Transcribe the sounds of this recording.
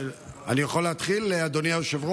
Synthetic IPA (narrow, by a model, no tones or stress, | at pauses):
a̰nijaχolːeat̪χilːead̪oniaoʃevʁo